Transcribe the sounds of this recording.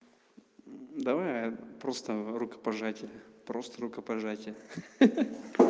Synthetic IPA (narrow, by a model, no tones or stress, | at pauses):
d̪ɐvajapɾo̞st̪əɾʊkə̥pɐʐatʲɪpɾo̞st̪əɾʊkəpɐʐatʲɪ